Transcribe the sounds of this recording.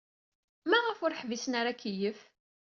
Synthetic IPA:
mæʁəfʊɾħvisənaɾakːijəf

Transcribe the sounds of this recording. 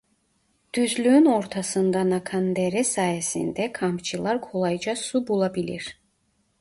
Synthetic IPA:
d̪̥yzlyynɔɾt̪ʰasɯnd̪anakʰand̪ɛɾɛsaːjɛsḭnd̪ɛkʰampt͡ʃʰɯlˠaɾkʰolˠajd͡ʒasubulˠabilḭɾ̥

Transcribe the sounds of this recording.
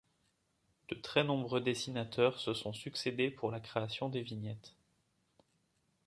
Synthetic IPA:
d̪̥ət̪χɛnɔ̃bʁød̪esinat̪ʰœʁsəsɔ̃syksed̪epʰuʁlakχeasjɔ̃d̪evinjɛt̪

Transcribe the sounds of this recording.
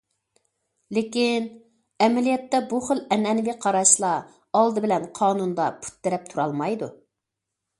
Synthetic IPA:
lɪkʲin | ɛmɛlijɛt̪ːɛbuχəlɛnɛnɪviqʰɑɾɑʃlˠɑ | ɑlˠd̪ɨbɪlɛnqʰɑːnund̪ɑpʰu̥t̪ːɪɾɛp̚t̪ʰuɾɑlˠmɑjd̪u

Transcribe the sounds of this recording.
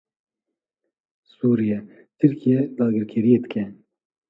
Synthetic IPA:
suːɾijɛ | t̪ʰɨɾkʰijɛd̪ɑːɡɨɾkʰɛɾijeːd̪ɨkɛ

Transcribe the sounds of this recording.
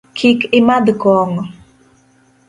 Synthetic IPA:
kʰikɪmad̪kɔŋɔ

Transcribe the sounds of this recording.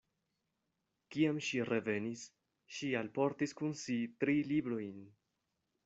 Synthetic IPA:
kiamʃiɾe̞ve̞nis | ʃialpo̞ɾtiskunsitɾilibɾo̞jn

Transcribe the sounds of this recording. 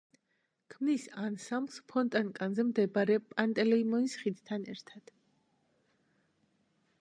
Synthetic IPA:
kʰmnisansamspʰɔnt̪ʼankʼanzɛmd̪ɛbaɾɛpʼant̪ʼɛlɛimɔnisχid̪t̪ʰanɛ̰ɾt̪ʰad̪̥

